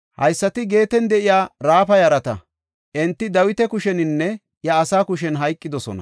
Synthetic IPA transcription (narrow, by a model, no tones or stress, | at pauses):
hɐ̰jsːɐt̪ɪɡe̞ːt̪ɛnd̪ɛʔɪjaːɾaːfɐjɐɾɐt̪ɐ̰ | ʔɛnt̪ːɪd̪ɐwɪt̪ɛkʊʃɛnɪnːɛ | jɐːsaːkʊʃ̬ɛnɦɐjkʼːɪd̪ɔsɔ̰nɐ̰